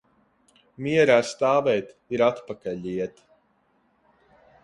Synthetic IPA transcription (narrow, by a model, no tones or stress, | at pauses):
miɛɾaːst̪aːvɛjt̪ | iɾat̪pakaʎʲiɛt̪